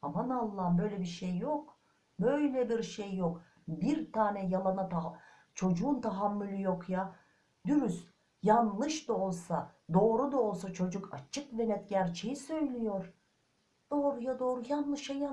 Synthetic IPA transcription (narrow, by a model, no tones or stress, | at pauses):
hamanalˠːaːbø̞jlʲɛbiɾʃejːok | bø̞jlʲɛbiɾʃejːok | biɾt̪ʰaːnɛjalˠanat̪ʰa | t͡ʃʰo̞d͡ʒuːnt̪ʰaɦamːylʲyjokja | d̪̥yɾys | janlˠɯʃd̪ao̞lˠsad̪o̞ːɾud̪aolˠsat͡ʃʰo̞d͡ʒukʰat͡ʃʰɯkvenɛt̪ɟæɾt͡ʃʰe̞jisø̞jlʲijo̞ɾ̥ | d̪̥o̞ːɾujad̪o̞ːɾujanlˠɯʃaja